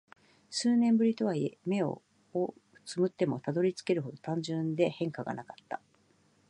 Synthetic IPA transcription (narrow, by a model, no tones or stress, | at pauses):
sɨːnẽ̞mbɯ̟ɾʲit̪o̞β̞aieme̞o̞̰ | o | t͡sɨmɯ̟t̪ːe̞mo̞t̪ad̪o̞ɾʲit͡sɨ̥ke̞ɾɯ̟ho̞d̪o̞t̪ãɲ̟d͡ʑɨ̃nd̪e̞hẽ̞ŋkaɡa̰nakat̪ːḁ